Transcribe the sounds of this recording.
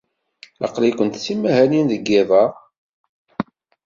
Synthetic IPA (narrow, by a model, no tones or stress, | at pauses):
lɑ̰qlikʷənt̪t͡sːimːæhæninðəɡːævæʁ